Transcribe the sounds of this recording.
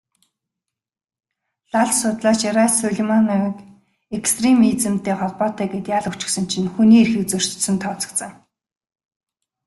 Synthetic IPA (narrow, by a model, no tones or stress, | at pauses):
ɮaɮsʊːt̪ɮaːt͡ɕeɾasʊɮʲmɔnɔk | ekst̪ʰremit͡sɘ̆mt̪eːχɔɮpɔːt̪œːɡeːt̪jaːɮɵkt͡ɕɪ̥̆ksə̆n̥t͡ɕʰɪ̆nxuniːerxĭkt͡sɵr̥t͡ɕsɘ̆nt̪ʰɔːt͡sɞ̆kt͡sə̆ŋ